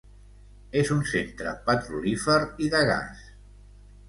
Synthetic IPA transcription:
ezunsent̪ɾə̰pət̪ɾulifəɾiðəɣa̰s

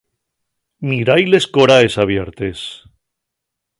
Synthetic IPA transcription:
miɾajle̞skoɾaesaβ̞jeɾt̪e̞s

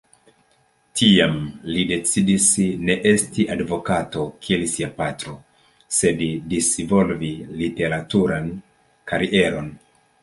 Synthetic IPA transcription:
tʰiamlide̞t͡sidisne̞ʔe̞stiʔadvo̞kato̞kʰielisiapatɾo̞ | se̞ddisvo̞lvilite̞ɾatuɾan | kaɾiʔe̞ɾo̞n

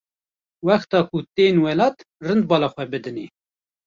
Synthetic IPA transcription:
wæxt̪ɑːkut̪eːnwɛlɑːt̪ | rɨnd̪̚bɑːlɑxʷɛbɨd̪ɨneː

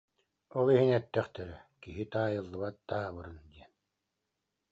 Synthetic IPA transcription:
ɔlˠiɦinɛt̪ːɛχt̪ɛɾɛkiɦit̪aːjɯlˠːɯβbat̪ːaɦabɯɾɯnd̪iɛn

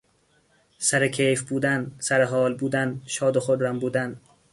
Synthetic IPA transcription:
sæɾekʰejfbuːd̪ænsæɾeɦɒːlbuːd̪ænʃɒːd̪oχoɾɾæmbuːd̪æn

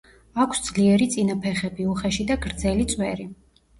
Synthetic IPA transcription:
akʷʰsd̪z̥liɛɾit̪sʼinapʰɛχɛbiuχɛʃid̪aɡɾd̪zɛlit̪sʼwɛɾi

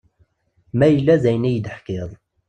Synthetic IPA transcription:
mæjəlːæzæjnæjəd̪əħkɪðˤ

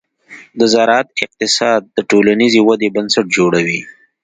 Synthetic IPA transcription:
d̪əzaɾɑt̪̚ɪq̚t̪ɪsɑd̪̚ːəʈolanizewad̪ebansaʈ̚d͡ʒoɽawi

